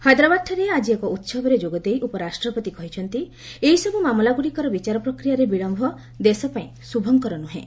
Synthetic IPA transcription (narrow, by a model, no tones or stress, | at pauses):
had̪ɾabaʈʈʰːɔɾead͡ʒiekɔut̪sɔbɔɾed͡ʒoɡɔd̪ejʔupɔɾasʈɾɔpɔt̪ikɔɦit͡ʃʰɔnt̪i | eɦisɔbumamlaɡuɽikɔɾɔbit͡ʃaɾɔpɾɔkɾijaɾebiɭɔmbʱɔ | d̪esɔpaĩsubʱɔŋkɔɾɔnuɦḛ̃